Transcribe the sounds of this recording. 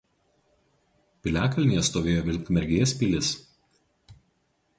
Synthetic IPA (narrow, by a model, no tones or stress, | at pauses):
pʲɪlʲæːkɐlʲnʲijɛst̪oːʋʲeːjoːʋʲɪlʲkmʲɛɾʲɡʲeːspʲilʲɪs